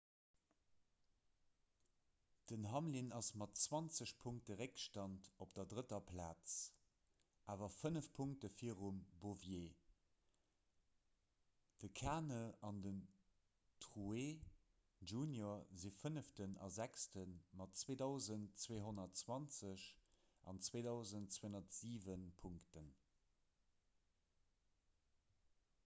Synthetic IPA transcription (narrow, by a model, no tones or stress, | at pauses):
d̥ənɦɑmlinɑsmɑtt͡swɑnt͡səɕpʰuŋk̚təʁekʃtɑntopd̥ɐdʁətɐpʰlaːt͡s | ʔaːvɐfənəfpʰuŋk̚təfiəʁumbovjeː | d̥əkʰaːnəɑndən | tʁue | ʒuːnjoɐzifənəftənɑ̰zækstənmɑtt͡sweːdɑʊzəntt͡sweːɦonɐtt͡swɑnt͡səɕ | ʔɑ̰nt͡sweːdɑʊzəntt͡sweːonɐtz̥iːvənpʰuŋktən